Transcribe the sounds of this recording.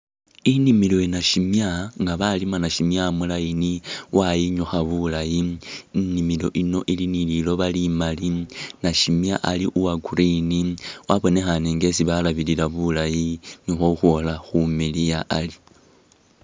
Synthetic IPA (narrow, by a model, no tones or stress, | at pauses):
inimilo̞inaʃimjaŋɡaβalimanaʃimjamulajiniwʔajiɲuxaβulaji | nimilo̞ʔino̞ʔilinililo̞βalimalinaʃimjaʔaliʔuwaɡuɾiniwʔaβo̞ne̞xaneŋɡe̞siβalaβililaβulajiɲuxoxwo̞laxumilijaʔali